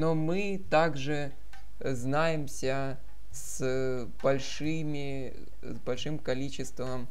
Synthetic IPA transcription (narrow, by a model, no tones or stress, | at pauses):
nomɨ | t̪aɡʐɨ | znajɪmsʲə | s | b̥ɐlʲʂ | ɨmʲɪ | zbɐlʲʂɨmkɐlʲit͡ɕɪst̪vəm